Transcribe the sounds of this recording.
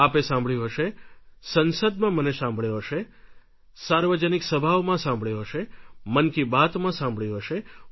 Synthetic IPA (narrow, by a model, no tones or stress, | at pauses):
apesãmbʱɭiũɦəʃesənsəd̪̚mãmənesãmbɭjɦəʃe | saɾʋəd͡ʒəniksəbʱaʋmãsãmbʱɭjeɦəʃemənkibat̪mãsãmbʱɭiɦəʃe